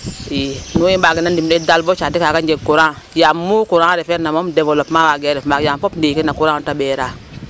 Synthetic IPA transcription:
inujibaɡinandimdedalbot͡ʃadikaɡand͡ʒeɡkuɾã | jamːukuɾãɾefeɾnamomdebolopmawaɡeɾifmaɡjampopndiːkinːakuɾãntabeɾa

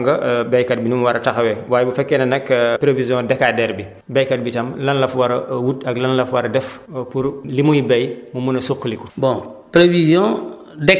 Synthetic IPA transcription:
ŋɡɐbɛjkat̚binumwaɾɐtaxɐwɛwaːjbɐfɛkːenɐnɐkpɾevizjɔ̃dɛkadɛɾbi | bɛjkat̚bitɐmlɐnlɐfwaɾɐwutɐɡlɐnlɐfwaɾɐdɛf | puɾlimujibɐjmumunɐsukːliku̥bɔ̃pɾevizjɔ̃ | dɛk

